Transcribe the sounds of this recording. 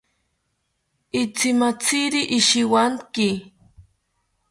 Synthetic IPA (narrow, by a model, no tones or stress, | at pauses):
it͡simat͡siɾiʔːʃiwaŋki